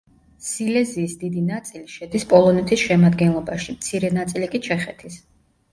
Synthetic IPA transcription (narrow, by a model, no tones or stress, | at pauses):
silɛziːsd̪id̪inat̪sʼiliʃɛd̪ispʼɔlˠɔnɛt̪ʰisʃɛmad̪ɡɛnlˠɔbaʃimt̪sʰiɾɛnat̪sʼilikʼit͡ʃʰɛχɛt̪ʰis